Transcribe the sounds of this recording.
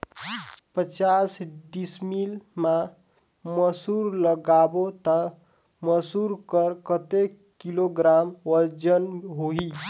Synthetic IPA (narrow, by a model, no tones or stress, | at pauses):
pət͡ʃasɖismilma | məsuɾləɡabot̪ə | məsuɾkəɾkət̪e | kiloɡɾamwəɾd͡ʒənɦoɦi